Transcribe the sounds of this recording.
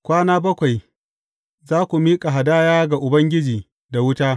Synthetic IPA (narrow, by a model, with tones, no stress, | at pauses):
kʷaː˦naː˦bɐ˦kʷa˨j | zaː˦kʷu˨miː˦kʼa˨ɦa˨daː˦jaː˦ɡa˨ʔʊ˨bɐ˦ŋɡʲɪ˦d͡ʒiː˨ | da˨wʊ˦taː˦